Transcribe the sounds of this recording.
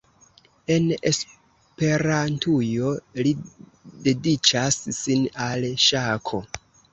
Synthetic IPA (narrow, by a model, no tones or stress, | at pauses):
e̞nes | pe̞ɾantujo̞li | de̞dit͡ʃasːinalʃakʰo̞